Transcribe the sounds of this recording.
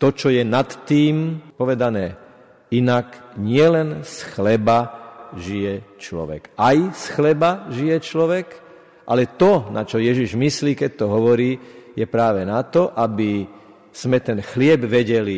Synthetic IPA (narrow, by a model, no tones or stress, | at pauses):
t̪ɔt͡ʃɔjɛnat̪ːiːmpɔʋɛd̪anɛː | inakɲɪɛlɛnsxlɛbaʒijɛt͡ʃlɔ̰ʋɛ̰kajsxlɛbaʒijɛt͡ʃlɔʋɛk | ʔa̰lɛt̪ɔna̰t͡ʃɔjɛʒiʒmisliːkɛc̚t̪ɔɦɔʋɔɾiːjɛpɾaːʋɛnat̪ɔʔabi | z̥mɛt̪ɛnxlɪɛbʋɛɟɛli